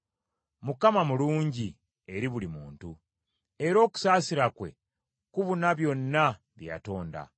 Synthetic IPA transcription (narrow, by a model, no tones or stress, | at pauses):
mukamamuluːɲɟi | e̞ɾiβulimuːntu | e̞ɾo̞ːku̥saːsiɾakwe̞̰ | kuβunaβjo̞nːa | βja̰to̞ːnda̰